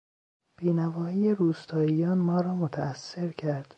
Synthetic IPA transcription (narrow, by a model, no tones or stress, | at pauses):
b̥iːnævɒːiːjeɾuːst̪ʰɒːijɒːnmɒːɾɒːmot̪ʰæːsːe̞ɾcʰæɾd̪̥